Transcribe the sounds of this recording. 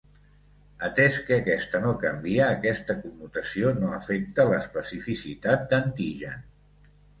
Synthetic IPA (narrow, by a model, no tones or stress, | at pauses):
ət̪ɛskəːkɛst̪ənokəmbiəːkɛst̪əkumːut̪əsionoəfek̚t̪ələspəsifisit̪at̪̚d̪ənt̪iʒə̰n